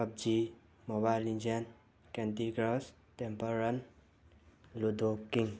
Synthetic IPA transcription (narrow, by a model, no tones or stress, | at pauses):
ʌb̚d͡ʒi | mobajlind͡ʒian | kɛnt̪iɡɾɔs | tempəɾʌn | lud̪ʱokiŋ